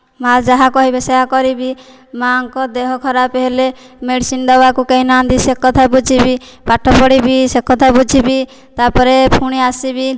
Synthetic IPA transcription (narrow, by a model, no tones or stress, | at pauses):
mad͡ʒaɦakɔɦibeseɦakɔɾibi | maɔŋkɔd̪eɦɔkʰɔɾapeɦele | meɽsind̪ɔbakukeinand̪isekɔt̪ʰabud͡ʒʱibi | paʈʰɔpɔɽibisekɔt̪ʰabud͡ʒʱibi | t̪apɔɾepʰuɽ̃iasibi